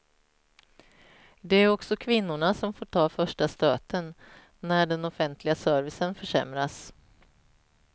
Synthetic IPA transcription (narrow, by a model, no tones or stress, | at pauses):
d̪ɛæɾɔksɔkʰvɪnːʊɳasɔmfoːʈʰɑːfœʂʈast̪ø̰ːt̪ənː | æɖɛnɔfɛnt̪ʰlɪɡasœːɾvɪsənfœʂɛ̰mɾas